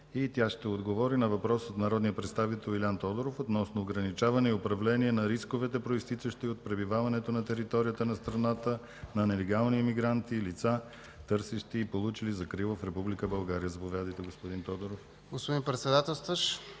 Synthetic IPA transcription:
it̪ʲjaʃt̪ɛod̪ɡovɔɾinɐvɐpɾɔsot̪nɐɾɔd̪nijəpɾɛt̪st̪avit̪ɛlˠilʲant̪ɔd̪oɾofot̪nɔsnoːɡɾɐnit͡ʃavɐnɛiopɾɐvlɛniɛnɐɾiskovɛt̪ɛpɾoist̪it̪t͡ʃ̪əʃt̪iot̪̚pɾɛbivavɐnɛt̪onɐt̪ɛɾit̪ɔɾijət̪ənɐst̪ɾɐnat̪ə | nɐnɛlɛɡalˠniɛmiɡɾant̪ilit̪sa | t̪ɤɾsɛʃt̪iːpolˠut͡ʃilizɐkɾivɐfɾɛpublikəbɐlˠɡaɾijəzɐpovʲjad̪əjt̪ɛɡospod̪int̪ɔd̪oɾof | ɡospod̪inpɾɛt̪sɛd̪at̪ɛlˠst̪vəʃ

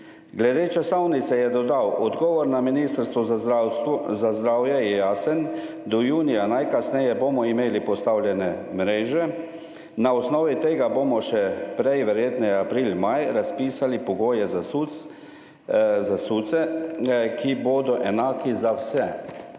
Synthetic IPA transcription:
ɡlɛd̪eːt͡ʃasawnit̪sɛjɛd̪ɔd̪awʔɔd̪ɡɔːʋɔɾnaminiːst̪əɾst̪ʋɔ | zazd̪ɾaːwjɛjɛjaːsən | d̪ɔjuːnijanajkasnɛjɛboːmɔimeːlipɔst̪awljɛnɛmɾeːʒɛ | naɔsnɔːʋit̪eːɡabomɔʃɛpɾɛjʋɛɾjeːt̪nɛapɾiːlmajɾaspiːsalipɔɡoːjɛzau | zasut̪sɛ | kʰiboːd̪ɔʔɛnaːkizawsɛ

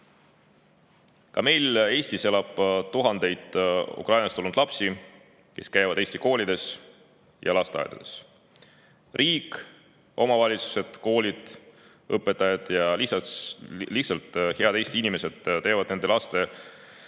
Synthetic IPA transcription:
kɑme̞jle̞ːst̪ise̞lɑb̥t̪uɦɑnd̪e̞jd̪̥ṵkrɑjnɑst̪olnud̪lɑpsi | ke̞skæjvɑd̪̥e̞ːst̪iko̞ːlʲid̪e̞s | jɑ̰lɑst̪eɑ̰jd̪ɑ̰d̪es | rʔiːk | o̞mɑvɑlʲit̪su̥se̞d̪̥ko̞ːlʲid̪̥ | ɤpːˑe̞t̪ːˑɑjɑd̪̥jɑli | lihtsɑlt̪ːˑhe̞ɑd̪̥e̞ːst̪iinime̞se̞d̪̥t̪e̞ːvɑd̪ne̞nd̪elɑst̪e̞

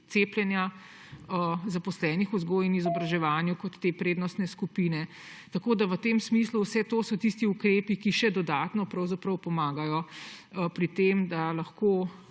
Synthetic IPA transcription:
t̪seːpljɛnja | zapɔslɛːnixuzɡoːjinizɔbɾaʒɛʋaːnjukɔt̪ːeːpɾeːd̪nɔst̪nɛskupinɛ | t̪ɐkoːd̪aʋət̪eːmsmisluwsɛt̪oːsɔt̪ist̪iukɾeːpikiʃɛd̪ɔd̪aːt̪nɔpɾɐwzapɾəwpɔmaːɡajɔ | pɾit̪emd̪alɐxkoː

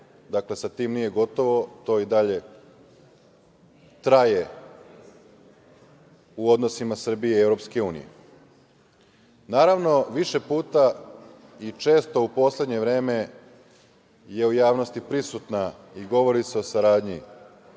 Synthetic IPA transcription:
d̪akle̞sat̪iːmnije̞ɡo̞t̪o̞ʋo̞t̪o̞id̪aʎe̞ | t̪ɾaje̞ | uo̞d̪no̞simasr̩bijeevɾo̞pske̞uːnḭjḛ | naːɾaʋno̞ʋiʃe̞puːt̪a | it͡ʃe̞ːst̪o̞upo̞sle̞d̪ɲe̞ʋɾe̞ːme̞ | je̞ujaːʋno̞st̪ipɾisut̪na | iɡo̞ʋo̞ɾiseo̞saɾaːd̪ɲḭ

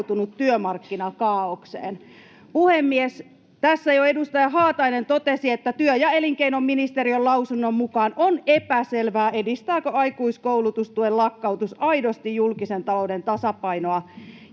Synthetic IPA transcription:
t̪unut̪tyømɑrkːinɑkɑːoksḛːn | puhemːies | t̪æsːæjoedust̪ɑjɑɦɑːt̪ɑinent̪ot̪esiet̪ːæt̪yøjɑeliŋkeinomːinist̪eɾiølɑusunːommukɑːnonepæselʋæːedist̪æːkøɑikuiskouwlut̪ust̪uellɑkːɑwt̪usɑidost̪ijjulkisent̪ɑloudent̪ɑsɑpɑinoɑ

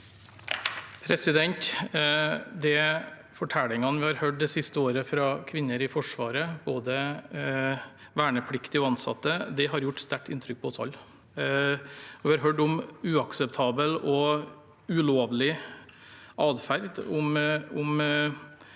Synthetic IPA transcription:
pʰɾɛsɪd̪ɛnt̪ | d̪ɛ | fɔʈʰælɪŋɑnʋɪhɑɾhøːʈ̚d̪ɛsɪst̪əoːɾəfɾɑkʰʋɪnːəɾɪfɔʂʋɑːɾəboːd̪ə | ʋæːɳəpʰɽɪkt̪ɪɔɑnsɑ̰t̪ːəd̪ɛɦɑɾjʊʈːst̪æʈːɪ̰nt̪ʰɾʏk̚pʰɔɔsɑ̰lː | ɔʋɪhɑɾɦøːɖʊmʉːɑksɛpt̪ʰɑːbəlɔ | ʉloːʋlɪ | ɑːd̪fæɾd̪ʊmʊm

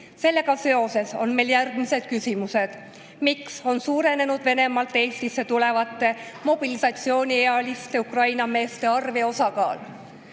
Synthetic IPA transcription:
se̞lːe̞ɡɑse̞o̞se̞so̞̰nme̞jljærɡ̥mise̞d̪̥̚kysimuse̞d̪̥ | mikso̞nsuːɾe̞ne̞nud̪ve̞ne̞mɑlt̪ːˑeːst̪isːe̞t̪ule̞vɑt̪ːe̞mo̞b̥ilisɑt̪sio̞ːnʲieɑlist̪e̞ukrɑjnɑme̞ːst̪e̞ɑrve̞o̞sɑɡɑ̰ːl

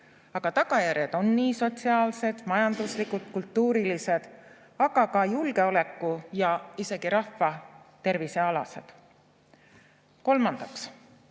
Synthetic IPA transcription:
ɑɡ̥ɑt̪ɑɡ̥ɑjæɾjed̪̥o̞nːiːso̞t̪siɑːlse̞d̪̥mɑjɑnd̪̥uslikult̪kult̪ːuːɾilise̞d̪̥ | ɑɡ̥ɑkɑjulɡe̞o̞le̞kːujɑise̞ɡ̥iɾɑhːɑt̪e̞rvise̞ɑlɑ̰se̞̰d̪̥ | ko̞lmɑnd̪̥ɑks

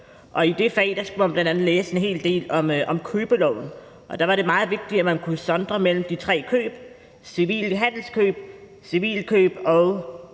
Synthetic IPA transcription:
ʔɒ̽id̥e̝fɛ̰ːd̥ɑ̈sɡ̥umænb̥lænd̥ænð̩ˠleːse̝nɦe̝̰ːld̥e̝̰ːlɒ̽mʔɒ̽mkʰøːb̥əlɒʊ̰n̩ | ʔɒ̽d̥ɑ̈ʋɑ̈ɾe̝mɑ̈ːð̞̩ˠʋe̝ɡ̥̚d̥i̥æmænkʰusɒ̽nd̥ʁɐmel̰m̩d̥it͡sʰʁɛ̰ːkʰø̰ːb̥ | siʋḭːlɦæn̰l̩skʰø̰ːb̥̚ | siʋḭːlkʰøːb̥ɒʊ

